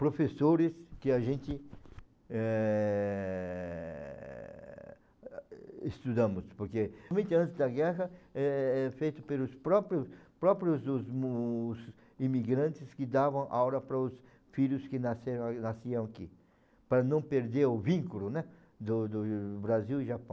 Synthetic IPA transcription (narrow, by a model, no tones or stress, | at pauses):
pɾofesoɾɪskɪaʒẽnt̪ɪ | ɛ | est̪ud̪ɐ̃mʊspoɾkemẽnt̪ɪɐ̃nt̪ɪzd̪ɐɡɛʁɐɛɛfejt̪ʊpelʊspɾɔpɾjʊpɾɔpɾjʊzʊzmz | imiɡɾɐ̃nt̪ɪskɪd̪avɐ̃w̃ʔawɾɐpɾɐʊs | fiʎʊskɪnaseɾnasiɐ̃w̃aki | pɾɐnɐ̃w̃peɾd̪eɾʊvĩŋkulʊnɛ | d̪ʊd̪ʊbɾaziwɪʒapɐ̃